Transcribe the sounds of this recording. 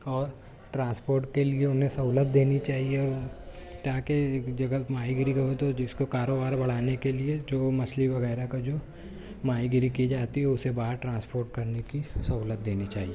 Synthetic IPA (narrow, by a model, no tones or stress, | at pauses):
ɔːɾ | ʈɾãːnspoːɾʈkelieʊnɦẽsɐɦuːlət̪̚d̪eːnit͡ʃaːɦieɔːɾt̪aːkeːkd͡ʒɐɡəmaːiɡɪɾikɐɦot̪od͡ʒɪskokaːɾoːbaːɾbɐɽ̤aːnekelied͡ʒoːmɐsliʋɐɣɛːɾakad͡ʒoː | maːiɡɪɾikid͡ʒaːt̪iɦɛʊsebaːɾʈɾãːnspoːɾʈkɐɾnekisɐɦuːlət̪̚d̪eːnit͡ʃaːɦieː